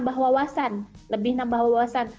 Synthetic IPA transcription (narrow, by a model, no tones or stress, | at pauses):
mbahwawasanləbɪhnambahwawawasan